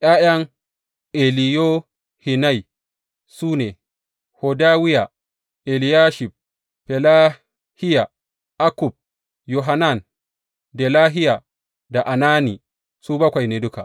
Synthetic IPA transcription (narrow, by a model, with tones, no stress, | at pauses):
ʔaː˦ʔja˦ŋ | ʔe˨li˨jo˦ | hi˨na˦j | suː˦ne˨ | hɔ˨daː˦wi˦ja˨ | ʔe˨li˨jaː˦ʃi˨b̚ | pɛ˨la˦ | hi˦ja˨ | ʔa˦ku˨b̚ | jɔ˨ɦa˦na˦˨n | dɛ˨laː˦ɦi˦ja˨ | da˨ʔa˨naː˦ni˨ | suː˦bɐ˦kʷa˨jne˨dʊ˦ka˨